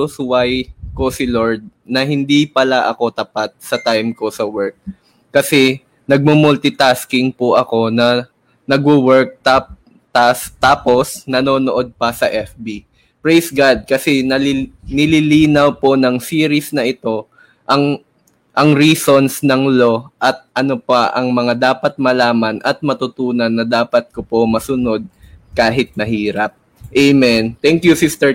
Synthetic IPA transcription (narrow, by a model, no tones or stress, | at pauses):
oswajko̞sɪloɹd̪̚nɐɦɪnd̪ipɐlaʔɐko̞t̪ɐpat̪̚sɐt̪ajmko̞sɐwɛɹk̚ː | ɐsɛ | nɐɡ̚mʊmʊlt̪ɪt̪askɪŋpʊʔɐko̞nɐ | nɐɡ̚bʊwɛɹk̚t̪ap | t̪as̚t̪aːpo̞snɐno̞ːnoʔo̞d̪̚pɐsɐʔɛfbi | pɹejsɡad̪̚kɐsɛnɐlnɪliliːnɐwpo̞nɐŋsiːɾɪsnɐʔɪt̪o̞ | ʔɐŋ | ʔɐŋɾiːso̞nsnɐŋlo̞ʔɐt̪̚ʔɐnopɐʔɐŋmɐŋad̪aːpɐt̪̚mɐlaːmɐnʔɐt̪̚mɐt̪ʊt̪uːnɐnːɐd̪aːpɐt̪̚kopomɐsʊno̞d̪̚kaːɦɪt̪̚mɐɦiːɾɐp̚ | ʔejmɛnt̪ɛŋkjusist̪ɛ